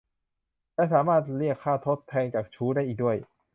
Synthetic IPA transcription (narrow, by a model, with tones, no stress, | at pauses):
t͡ɕɛ˧˥˩saː˩˦maː˥˩t̪̚li˥˩əkʰːaː˥˩t̪ʰo˦˥t̪ʰːɛː˧ŋt͡ɕaː˨˩k̚t͡ɕʰuː˦˥daː˥˩jʔiː˨˩du˥˩əj